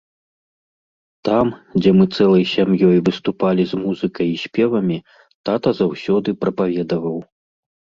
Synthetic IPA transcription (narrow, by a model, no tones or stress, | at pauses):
t̪amd͡zʲɛmɨt̪sɛlˠɐjsʲamjɔjvɨst̪upalʲizmuzɨkɐjisʲpʲɛvɐmʲi | t̪at̪ɐzawsʲɔd̪ɨpɾɐpavʲɛd̪ɐvɐw